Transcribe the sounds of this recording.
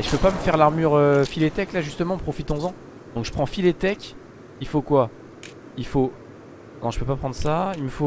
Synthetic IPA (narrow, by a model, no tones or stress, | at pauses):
eʒəpøpaməfɛʁlaʁmyʁøfilet̪ɛklaʒyst̪əmɑ̃pχɔfit̪ɔ̃zɑ̃ | d̪ɔ̃kʒə̥pχɑ̃filet̪ɛkʲ | ilfokwa | ilfo | kɑ̃ʒəpøpapχɑ̃d̪ʁəsailməfo